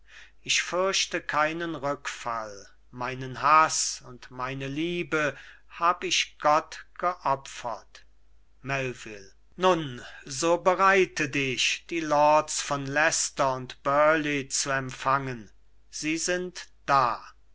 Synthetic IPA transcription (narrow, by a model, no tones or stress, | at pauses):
ʔɪʃfʏɐʃtəkʰaɪnənʁʏkfa̰l | maɪnənɦasʊntmaɪnəliːbə | haːbəɪʃɡ̥ɔtɡ̥əʔɔpfɐt | mɛlvɪl | nʊnzoːbəʁaɪtədɪʃd̥iːlɔːtsfɔnlɛstɐʊntb̥œɐlet͡suɛmfaŋən | z̥iːzɪntd̥aː